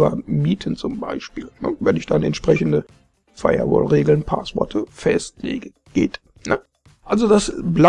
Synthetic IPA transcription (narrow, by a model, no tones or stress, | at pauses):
ɐ̰miːtʰən̩t͡sʊmba̰ɪʃpiːlnə̰vɛnɪçd̥anɛ̰ntʃpʁ̥ɛçn̩də | faɪɐ̰vɔ̰ːlʁeːɡl̩npʰa̰ːsv̥ɔɐtʰəfɛstlḛːɡə | ɡ̥eːt | nə | ʔalzodasbla